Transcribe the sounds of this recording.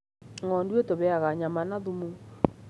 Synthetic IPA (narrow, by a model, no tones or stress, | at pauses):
ŋɔndwetoβɛaɣaɲamanaðumo